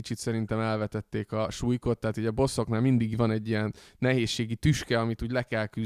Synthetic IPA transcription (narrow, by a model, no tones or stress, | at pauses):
it͡ʃit̪sɛɾint̪ɛmɛlvɛt̪ɛt̪ːeːkɒʃuːjko̞t̪ːɛaːt̪uːɟɒbo̞so̞knaːlmind̪iɡvɒnɛɟːijɛnːɛɦeːʃːeːɡit̪yʃkɛɒmit̪uːɟlɛkɛlky